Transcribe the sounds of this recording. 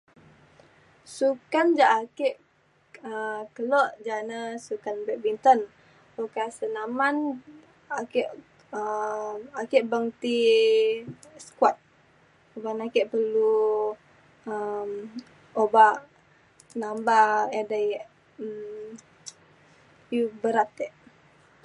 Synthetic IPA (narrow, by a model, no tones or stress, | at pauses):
sukand͡ʒaʔakeʔ | əkəloʔd͡ʒanəsukanbɛʔ̚bint̪ən | okasənaman | akeʔ | ə | akeʔbəŋt̪i | skwat̪̚ | obanakeʔpəlu | əm | oba | nambaedajʔ | ə | jubəɾat̪eʔ